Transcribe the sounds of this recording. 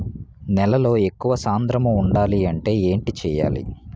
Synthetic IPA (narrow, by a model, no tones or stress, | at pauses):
nɛlɐlo̞ːe̞kːuʋɐsaːnd̪ɾɐmɐuɳɖaːliɐɳʈe̞ːe̞ːɳʈit͡ʃɛːja̰ːlḭ